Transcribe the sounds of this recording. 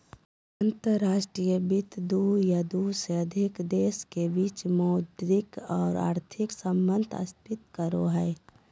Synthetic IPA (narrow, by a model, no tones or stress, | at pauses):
ənt̪əɾːaːʃʈɾijəbɪt̪d̪ujad̪useəd̪ʱɪkd̪eːskebiːt͡ʃmɔʊd̪ɾɪkɔːɾa̰ːɾt̪ʰɪksəmbə̃nd̪ʰʱə̰spɪt̪kəɾoɦɛː